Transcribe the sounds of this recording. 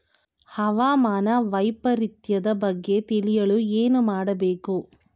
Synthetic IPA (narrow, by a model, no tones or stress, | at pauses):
hɐʋaːmaːnɐʋɐjpɐɾit̪jɐd̪ɐbɐɡːe̞t̪ilijɐɭueːnumaːɽɐbeːku